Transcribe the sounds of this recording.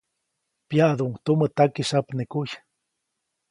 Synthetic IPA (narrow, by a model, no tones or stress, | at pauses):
pjaʔd̪uʔŋt̪umət̪akiʃapnekuj